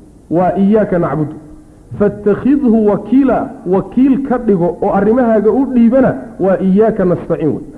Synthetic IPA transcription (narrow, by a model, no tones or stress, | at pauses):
wɑːʔɪjaːkʰɐnɑʕbʊd̪ | fɐt̪ʰːɐxɪðhʊwɑkʰiːlɐwɑkʰiːlkʰɐɖɪɣɔɔːʔɐrɪmɐɦaːɣɐʊɖiːβɐnɐwɑːʔɪjaːkʰɐnɐst̪ɐʕɪnw̰j